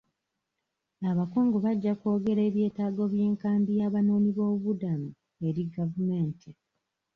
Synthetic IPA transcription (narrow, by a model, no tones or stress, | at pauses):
aβakoːŋɡo̞βaɟːako̞ːɡe̞ɾe̞ːβje̞ːtaːɡo̞βje̞ːŋkaːmbijaːβano̞ːniβo̞ːuβudamu | e̞ɾiɡavume̞ːntʰi